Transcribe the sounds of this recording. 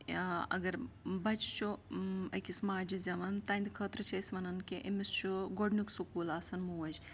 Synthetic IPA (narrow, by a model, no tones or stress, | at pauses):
ɐ̰ɡɐɾbɐt͡ʃt͡ʃʰuɐkʲismaːɾd͡ʒizʲɐʋɐnt̪ɐnd̪ʲkʰəːt̪ɾɨt͡ʃʰɐsʲʋɐnɐnkiʔimist͡ʃʰuɡoɖnuksukuːlaːsɐnmuɐd͡ʒ